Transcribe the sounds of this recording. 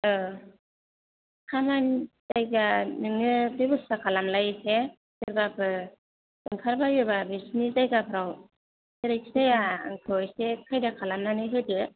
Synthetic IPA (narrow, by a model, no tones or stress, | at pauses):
ɯ | kʰamantajɡanɯŋɯbibɯsakʰalamlajkʰe | seɾbapɯ | ɯŋkʰaɾbajɯbabisnitajɡapʰɯɾaw | seɾɯjksejaɯ̰ŋkʰɯwjsekʰajdakʰalamnanɯjɦɯdɯ